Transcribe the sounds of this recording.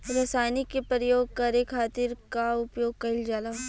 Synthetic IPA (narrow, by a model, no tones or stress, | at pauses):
ɾɐsaːjnikːepɾɾəjoːɡ̚kɐɾekʰaːt̪ɪɾkaʊpjoːɡ̚kɐɪld͡ʒaːlaː